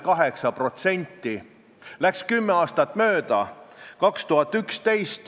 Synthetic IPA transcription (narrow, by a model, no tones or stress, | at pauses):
kɑɦe̞ksɑpro̞t̪se̞nʲt̪ːˑi | lækskymːeɑːst̪ɑt̪ːˑmø̞ːd̪̥ɑkɑkst̪uɦɑt̪ːˑykst̪e̞jst̪